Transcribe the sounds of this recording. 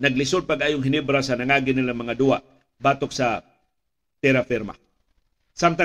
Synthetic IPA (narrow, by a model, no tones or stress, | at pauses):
nɐɡ̚lɪsod̪̚paɡʔajoŋɦɪnibɾasɐnɐŋaːɡɪnɪlamɐŋad̪ua | baːt̪oksa | t̪ɛɾafɪɾma̰ | samt̪a